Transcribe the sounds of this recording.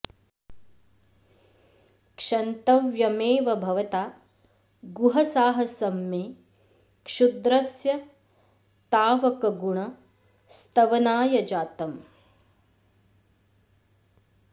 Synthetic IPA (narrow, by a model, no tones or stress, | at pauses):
kʂɐnt̪ɐʋjɐmeːʋɐbʱɐʋɐt̪aː | ɡuɦɐsaːɦɐsɐmːeː | kʂud̪ɾɐsjɐ | t̪aːʋɐkɐɡuɳɐ | st̪ɐʋɐnaːjɐd͡ʒaːt̪ɐm